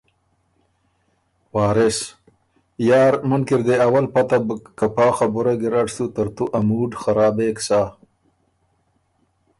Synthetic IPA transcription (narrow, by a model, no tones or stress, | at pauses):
wɑːɾɪs | jɑːɾmənkiɾd̪eawalpat̪abkapɑːxabʊɾaɡɪɾaʈsut̪əɾt̪uʔamuɖxaɾɑːbeksa